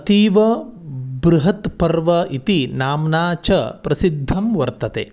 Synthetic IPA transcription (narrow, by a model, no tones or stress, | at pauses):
ɐt̪iːʋɐ | bɾuɦɐt̪pɐɾʋɐit̪inaːmnaːt͡ʃɐpɾɐsid̪ʱːɐmʋɐɾt̪ɐt̪ḛː